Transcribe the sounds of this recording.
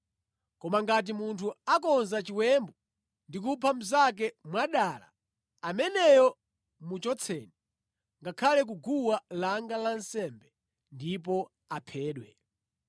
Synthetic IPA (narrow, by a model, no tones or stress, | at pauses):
kɔmaŋɡat̬imuntʰuakɔnzat͡ʃiwɛmbɔ | ndik̬upʰam̩zak̬ɛmwaɗaːla̰ | amɛnɛjɔ | mut͡ʃɔt͡sʰɛːnɛ | ŋɡakʰalɛk̬uɡuwalaŋɡalansɛmbɛ | ndip̬ɔ | apʰɛːɗwɛ